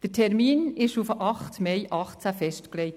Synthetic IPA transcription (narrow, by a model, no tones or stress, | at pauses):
d̥əɾtʰɛɾmiːnɪʃufʔɑχtmeɪʔɑχt͡sæfɛʃtkleɪt